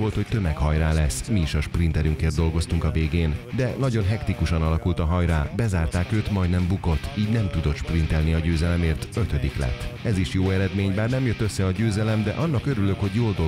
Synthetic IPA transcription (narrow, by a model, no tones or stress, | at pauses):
ʋo̞lt̪ho̞ct̪ømɛkhɒjraːlɛsːmiːʃɒʃprint̪ɛɾyŋkeːrd̪o̞lɡo̞st̪uŋkɒveːɡeːnd̪ɛnɒɟo̞nɦɛkt̪ikuʃɒnɒlɒkult̪ɒɦɒjraːbɛzaːrt̪aːkøːt̪mɒjd̪nɛmbuko̞t̪ːiːɟnɛmt̪ud̪o̞t̪ʃprint̪ɛlniɒɟøːzɛlɛmeːrt̪ø̞t̪ø̞d̪iklɛ̰t̪ːɛziʃjoːɛɾɛd̪meːɲbaːrnɛmjøt̪ːøsːɛɒɟøːzɛlɛmd̪ɛ̰ʔɒnːɒkø̞ɾyløkho̞ɟjoːld̪o